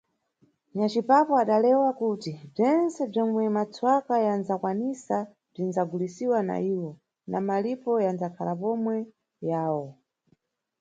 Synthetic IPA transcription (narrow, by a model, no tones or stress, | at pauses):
ɲat͡ʃipapɔaɗalɛwakutib͡ʐɛnt͡sɛb͡ʐɔmwɛmat͡sʰwakajanzakwanisa | b͡ʐinzaɡulisiwana̰iwɔ | na̰malipɔjanzakʰalapɔmwɛ | jaːwɔ